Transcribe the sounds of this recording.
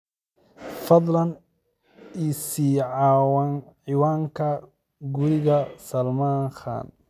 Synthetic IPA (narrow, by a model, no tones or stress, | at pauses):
fɐðˤlɐn | isiːʕɑːwanʕɪwaːŋkʰɐ | ɡʊɾɪɣɐsɐlmaːŋxa̰ːn